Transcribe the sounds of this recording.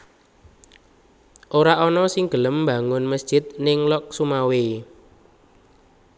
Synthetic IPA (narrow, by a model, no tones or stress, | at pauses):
ʔoɾaʔɔnɔsɪŋɡ̥ələmːba̤ŋʊnməsd̥ʒ̥ɪ̤t̪̚nɪŋlɔk̚sumawe